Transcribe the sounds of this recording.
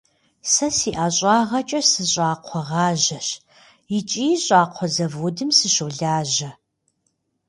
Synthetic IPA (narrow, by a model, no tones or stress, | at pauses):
sɐsiːʔaːɕʼɑːʁɐt͡ʃʼɐsɨɕʼaːqʷʰɔʁɑːʑɐɕ | jit͡ʃʼiːɕʷʼaːqʷʰɔzɐvʊdɨmsɨɕuɮaːʑɐ